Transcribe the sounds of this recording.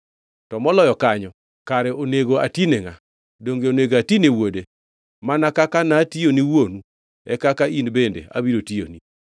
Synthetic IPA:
tɔmɔlɔjɔkaɲɔ | kaɾɛʔoneɡoa̰tineŋa | doŋɡeoneɡatinewode | manakakanationiwonu | ɛkakainbendḛʔa̰biɾotijo̰ni

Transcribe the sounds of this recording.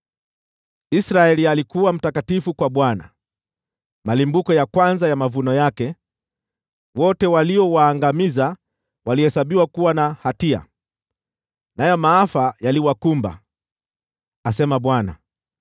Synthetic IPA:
isɾaɛlialikuwam̩takatifukwaɓwana̰ | malimbukɔjakwanzajamavunɔjakɛ | wɔtɛwaliɔwaːŋɡamiza | walihɛsaɓiwakuwanahatia̰ | najɔmaafajaliwakumba̰ | asɛmaɓwana̰

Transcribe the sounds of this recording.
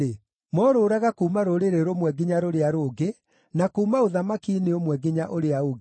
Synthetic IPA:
e | mɔɾoːɾaɣakuːmaɾoɾeɾeɾomwɛɡiɲaɾoɾeaɾoːɡe | nakumaoðamakineomwɛɡiɲaʔoɾeaoɣ

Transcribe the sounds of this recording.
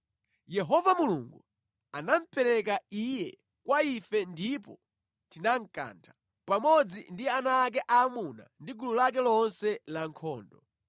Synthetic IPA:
jɛɦɔvamuluŋɡu | anam̩pʰɛɾɛkaijɛ | kwaifɛndipɔ̰ | tinaŋ̩ka̰ntʰḁ | pamɔd͡zḭndianaːk̬ɛʔaːmuna̰ndiɡululakɛlɔnsɛlaŋkʰɔːndɔ

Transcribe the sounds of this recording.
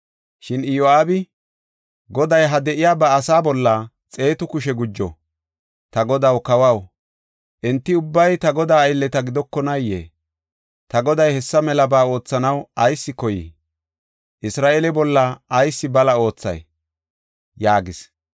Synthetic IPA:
ʃɪnɪjoaːbɪ | ɡɔd̪ɐjɦɐd̪ɛʔɪjaːbɐːsaːbɔlːɐ | t͡sʼe̞ːt̪ʊkʊʃɛɡʊd͡ʒːɔ̰ | t̪ɐɡɔd̪ɐwkɐwɐw | ʔɛnt̪ːɪʊbːɐjt̪ɐɡɔd̪aːjlːɛt̪ɐɡɪd̪ɔkːɔnɐjːḛː | t̪ɐɡɔd̪ɐjhɛsːɐmɛlɐbaːo̞ːt͡sːɐnɐwɐjsːɪkɔjḭː | ʔɪsɾaːʔelɛbɔlːɐɐjsːɪbɐlɐo̞ːt͡sːɐ̰j | jaːɡɪs

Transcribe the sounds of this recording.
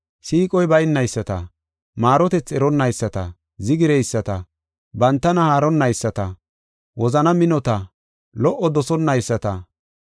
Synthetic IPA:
siːkʼɔjbɐjnːɐjsːɐt̪ɐ̰ | maːɾɔt̪ɛt͡sːɛɾɔnːɐjsːɐt̪ɐ̰ | zɪɡɪɾejsːɐt̪ɐ | bɐnt̪ːɐnɐhaːɾɔnːɐjsːɐt̪ɐ | wɔzɐnɐmɪnɔt̪ɐ | lɔʔːɔd̪ɔsɔnːɐjsːɐt̪ɐ

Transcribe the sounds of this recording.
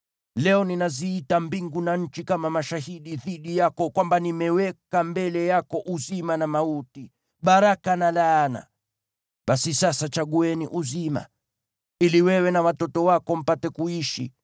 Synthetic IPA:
lɛɔninaziːtambiŋɡunaɲ̩t͡ʃikamamaʃahiɗiðiɗijakɔkwambanimɛwɛkambɛlɛjakɔʔuzimanamauti | ɓaɾakanalaːna̰ | ɓasisasat͡ʃaɡuɛniʔuzima̰ | iliwɛwɛnawatɔtɔwakɔm̩patɛkuiʃḭ

